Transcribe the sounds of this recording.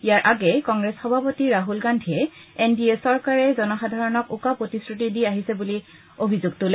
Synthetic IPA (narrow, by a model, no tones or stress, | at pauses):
ijaɹʔaɡɛkɔŋɡɹɛsxɔbʱapotiɹaɦulɡandʱiɛenbiesɔɹkaɹɛzɔnɔxadʱaɹɔnɔkukapɹotisɹutidiaɦisɛbuli | obʱizʊɡ̚tʊlɛ